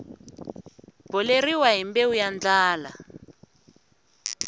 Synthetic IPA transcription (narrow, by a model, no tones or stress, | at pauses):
b̥ɔleriwaɦimbeujand͡ɮaːla̰